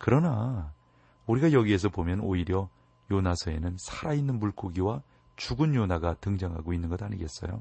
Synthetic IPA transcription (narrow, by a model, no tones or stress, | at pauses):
kɯɾʌna | uɾiɡajʌɡie̞s̬ʰʌpomjʌnoiɾjʌ | jonasʰʌe̞̰nɯnsʰaɾainːɯnmuɭk͈oɡiwa | t͡ɕuɡɯnjonaɡatɯŋd͡ʑaŋɦa̰ɡoinːɯnɡʌdaɲiɡe̞s͈ʌ̰jo̰